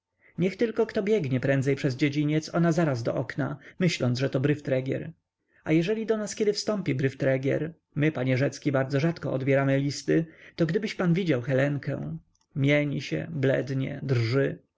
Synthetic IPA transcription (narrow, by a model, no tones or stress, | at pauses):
ɲɛxt̪ɘlkɔkt̪ɔbʲjɛɡɲɛpɾɛnd̪zɛjpʂɛzd͡ʑed͡ʑiɲɛt̪sɔnazaɾazd̪ɔ̰ʔɔkna̰mɘɕlɔnʐɛt̪ɔbɾɘft̪ɾɛɡʲjɛ̰ɾ | ajɛʐɛlʲid̪ɔnaskʲjɛd̪ɘfst̪ɔmpʲibɾɘft̪ɾɛɡʲɛ̰ɾ | mɘpaɲɛʐɛt̪skʲibaɾd̪zɔʐat̪kɔɔd̪bʲjɛɾamɘlʲist̪ɘt̪ɔɡd̪ɘbɘɕpanvʲid͡ʑawxɛlɛŋkɛ̰̃ | mʲjeɲiɕɛ̰blɛ̰d̪ɲɛ̰d̪rʐɘ